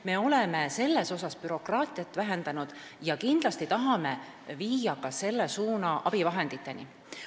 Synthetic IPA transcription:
me̞o̞le̞me̞se̞lːe̞so̞sɑspyɾo̞krɑːt̪ˑiɑt̪ːˑvæɦend̪ɑnud̪̥ | jɑkind̪̥lɑst̪it̪ɑɦɑme̞ | viːjɑkɑse̞lːesuːnɑʔɑb̥ivɑɦe̞nd̪̥it̪ˑːe̞nḭ

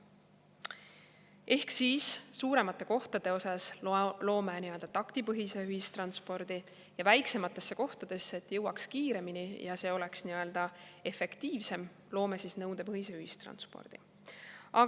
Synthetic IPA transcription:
e̞hksiːssuːɾe̞mɑt̪ˑːe̞ko̞ht̪ɑd̪̥e̞o̞sɑslo̞ːmeniø̞ld̪̥ɑt̪ɑkt̪ipɤɦise̞yhist̪rɑnspo̞ɾd̪̥i | jɑvæjkse̞mɑt̪ːˑe̞sːeko̞ht̪ɑd̪̥e̞sːeet̪ːjɤwɑkskiːɾe̞minijɑse̞ːo̞le̞ksniø̞ld̪̥ɑe̞fe̞kt̪iːvse̞m | lo̞ːmesisnɤwd̪̥e̞pɤɦise̞yhist̪rɑ̰nspo̰rd̪̥i | ɑ

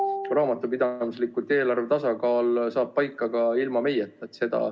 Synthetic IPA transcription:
kɾɑːmɑt̪ːˑupid̪̥ɑmislikult̪e̞ːlɑrve̞t̪ɑsɑkɑːlsɑːb̥̚pːɑjkːˑɑɡ̥ɑilmɑme̞jet̪ːˑɑt̪se̞d̪̥ɑ̰

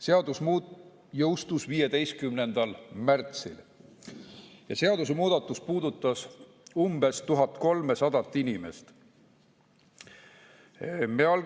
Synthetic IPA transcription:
se̞ɑd̪usmu | jɤwst̪usviːje̞d̪e̞jst̪̚kymnend̪̥ɑlmært̪sḭl | jɑse̞ɑd̪us̬emuːd̪̥ɑt̪ːˑuspuːd̪̥ut̪ːˑɑs | umbe̞st̪uɦɑt̪ˑko̞lme̞sɑd̪̥ɑt̪ːˑinime̞̰st̪ | meɑl

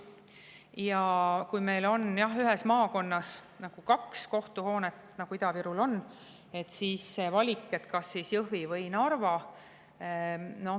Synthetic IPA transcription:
jɑkujme̞jlo̞njɑɦyɦɛsmɑːko̞nːɑs | nɑɡ̥ukɑksko̞ht̪uho̞ːnet̪nɑɡ̥uid̪ɑviɾulo̞nː | e̞t̪ːsiːsːevɑlʲikːˑe̞t̪kɑsːisjɤɦvivɤjnɑrvɑ | no̞

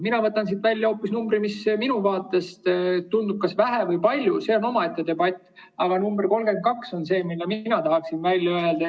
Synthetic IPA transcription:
minɑvɤt̪ːˑɑnsit̪vælʲːjɑo̞ːpːisnumbɾimisminuvɑːt̪ːˑe̞st̪t̪und̪ub̚kɑsvæɦevɤjpɑlʲjuse̞ːo̞no̞mɑe̞t̪ːed̪e̞bɑt̪ʲːˑ | ɑɡ̥ɑnumbrko̞lɡ̥ekɑkso̞nse̞ːmilːeminɑt̪ɑɦɑksinvælʲjɑøeld̪̥ɑ

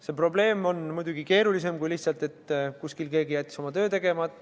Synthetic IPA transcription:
se̞pro̞ble̞ːmo̞nmujd̪uɡike̞ːɾulis̬e̞mkujliht̪sɑlt̪e̞t̪ːkuskilke̞ːɡijæt̪̚ʲˑkiso̞mɑt̪øːt̪e̞ɡe̞mɑt̪ːˑ

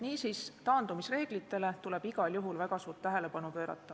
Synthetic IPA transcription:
niːsiːst̪ɑːnd̪umisre̞ːɡ̥lit̪ːˑe̞le̞t̪ule̞b̥iɡ̥ɑljuɦulvæɡ̥ɑsuːɾt̪ːæɦe̞le̞pɑnupø̞ːɾɑ̰t̪ːˑɑ

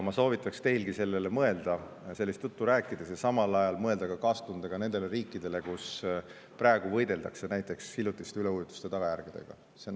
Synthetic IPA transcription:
mɑso̞ːvit̪ːˑɑkst̪e̞jlɡ̥ise̞lːe̞lemɤe̞ld̪̥ɑ | se̞lːist̪jut̪ːuɾæːkːˑid̪̥e̞sjɑsɑmɑlɑjɑlmɤe̞ld̪̥ɑɡ̥ɑkɑːst̪und̪̥ɑɡ̥ɑne̞nd̪e̞le̞ɾiːkːˑid̪̥e̞le̞kus | pɾæːeɡ̥uvɤ̞jd̪e̞ld̪ɑkse̞næjt̪ːˑe̞kshilːut̪ːˑist̪yle̞ujut̪ːˑu̥st̪e̞t̪ɑɡ̥ɑjærɡ̥id̪̥e̞̰ɡ̥ɑ̰ | sen

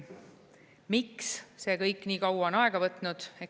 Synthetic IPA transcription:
miksse̞ːkɤjkːˑniːkɑwwɑonɑe̞ɡ̥ɑvɤt̪ˑnud̪̥e̞

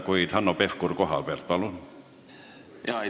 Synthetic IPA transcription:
kuit̪hɑnːopefkurkoɦɑ̰lpert̪̚pɑlun | jɑ

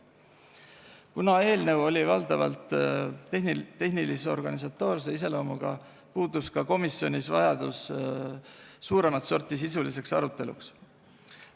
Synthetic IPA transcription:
kunɑe̞ːlne̞wo̞lʲivɑld̪̥ɑvɑ̰lt̪ˑ | e̞hniliseo̞rɡ̥ɑnis̬ɑt̪ːˑo̞ːrs̬eise̞lo̞ːmuɡ̥ɑ̰ | puːd̪̥uskɑko̞misːjo̞nʲisvɑ̰jɑd̪̥us | sːuːɾe̞mɑt̪so̞rt̪is̬isulise̞ksɑ̰ɾut̪ːe̞lṵks

